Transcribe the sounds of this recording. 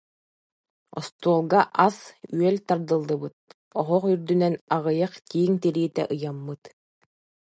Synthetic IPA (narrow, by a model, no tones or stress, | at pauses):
ɔ̰st̪uɔlˠɡaʔasyœlt̪aɾd̪ɯlˠːɯbɯt̪̚ | ɔɦɔχyɾd̪ynɛnaʁɯjaχt̪iːŋt̪iɾiːt̪ɛ̰ʔɯjamːɯt̪